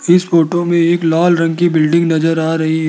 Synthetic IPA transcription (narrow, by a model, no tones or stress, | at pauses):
ɪsfoːʈomẽeːklaːlɾɐ̃ŋɡkibɪlɖɪ̃ŋɡnɐzəɾaːɾɐɦiɦ